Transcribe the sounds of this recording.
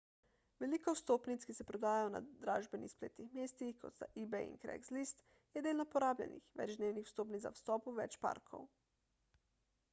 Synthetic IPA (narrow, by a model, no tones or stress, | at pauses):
ʋelikowst̪oːpnit̪skisɛpɾɔd̪aːjajona̰d̪ɾaːʒbɛnixsplḛːt̪nixmjeːst̪ixkɔt̪st̪aʔibɛḭŋnkɾɛ̰ɡslist̪ | jɛd̪eːlnɔpɔɾaːblʲɛ̰nḭxʋɛ̰d͡ʒd̪neːwnixwst̪oːpnit̪za̰wst̪ɔːpuʋɛ̰t͡ʃpa̰ːɾkʰo̰w